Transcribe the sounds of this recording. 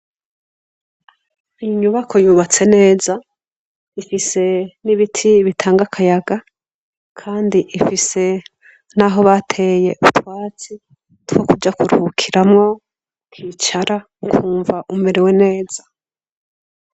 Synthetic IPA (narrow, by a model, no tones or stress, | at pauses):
ijiɲuβakʰo̞juːβat͡se̞ne̞ːza | ifise̞niβitʰiβitʰaːŋɡakʰajaɡa | kʰaːndiʔifise̞ | naɦo̞βatʰe̞je̞ʔutwaːt͡si | twokud͡ʒakuɾuukʰiɾamŋo̞ | kʰit͡ʃaɾa | kʰuːɱvaʔumeɾewe̞ne̞ːz̥ḁ